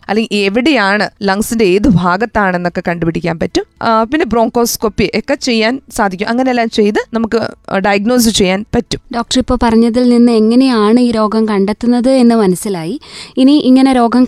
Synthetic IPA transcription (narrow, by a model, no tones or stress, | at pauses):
ɐ̰lːeŋɡieʋiɽe̞jaːɳɨlɐŋsinde̞eːðɨbʱaːɡɐt̪ːaːɳe̞nːo̞kːe̞kɐɳɖupiɽikʲːaːnpɐtːumpinːebro̞ːŋko̞ːsko̞pːiʔekːet͡ɕe̞jːaːnsaːd̪ʱikʲːumʔɐŋːɐneelːaːmt͡ɕe̞jt̪ɨnɐmukːɨɖɐjɐɡno̞ːs̬ɨt͡ɕe̞jːaːnpɐtːumɖoːk̚ʈɐripːo̞ːpɐrɐɲːɐðilninːɨeŋːɐne̞jaːɳɨiːɾo̞ːɡɐmkɐɳɖet̪ːunːɐðɨe̞nːɨmɐnɐsilaːjiiniʔiŋːɐne̞ɾo̞ːɡɐm